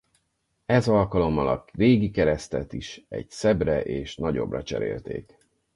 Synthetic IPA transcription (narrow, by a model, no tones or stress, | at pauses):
ɛzɒlkɒlo̞mːɒlɒkreːɡikɛɾɛst̪ɛt̪iʃɛ̰ɟsɛbrɛʔeːʃnɒɟo̞̰brɒt͡ʃɛ̰ɾḛːlt̪eːk